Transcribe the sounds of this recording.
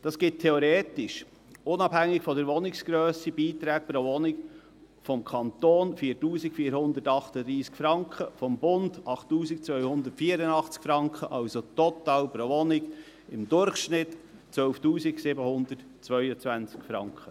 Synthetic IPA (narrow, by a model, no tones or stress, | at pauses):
d̥ɑsɡ̥ɪt̚tʰːeoɾeːtɪʃ | ʊnɑphæŋːɪkfɔdəɾʋɔnɪksɡ̥ɾøːsib̥iːt̪ɾæːk̚pɾovɔnɪk | fɔmkʰɑnt̪oːnfiːtuːsɪkfiːəɾhʊnd̪əɾtɑχtəd̥̪ɾiːskfɾɑŋkχəfɔmbʊnd̥ɑχtːuːsɪk̚t͡sʋœʏhʊnd̪ətfiːəɾənɑχt͡skfɾɑŋkχəʔɑlsot̪ɔt̪ɑːlpɾovɔnɪɡ | ɪmdʊrχʃnɪtt͡sʋœlftuːsɪɡsɪbəhʊnd̪ət | t͡svœʏət͡sʋænt͡skfɾɑ̰ŋkʰχə